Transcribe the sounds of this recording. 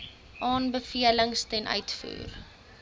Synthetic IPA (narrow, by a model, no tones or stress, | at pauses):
ʔɑːnbəfiələŋstɛnʔœ̰ɥtfṵːr